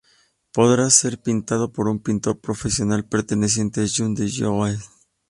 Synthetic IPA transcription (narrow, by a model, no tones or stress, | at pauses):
po̞ðɾase̞ɾpint̪að̞o̞po̞ɾumpint̪o̞ɾpɾo̞fesjo̞nalpeɾt̪e̞nes̬je̞nt̪eʒund̪eʝowal